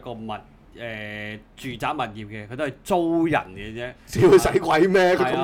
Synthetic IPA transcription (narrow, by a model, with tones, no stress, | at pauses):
kɔː˧mɐ˨˩t̚ | ʔɛː˨ | t͡ʃyː˨˩t͡saː˨˥k̚mɐ˨t̚jiː˨˩p̚kɛ˧kʰɵ˨˧t̪o˥hɐ˨˩jt͡so˥wjɐ̰˨˩nkɛ˧t͡sɛː˥siː˨˥wkʰɵ˨˧sɐ˨˥jkʷɐ˨˧jmɛː˥kʰɵ˨˧ɐ˨˦m